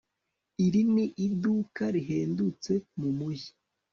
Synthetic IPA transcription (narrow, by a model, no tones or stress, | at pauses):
iɾiniʔiduːkaɾiɦeːndut͡se̞mumuji̥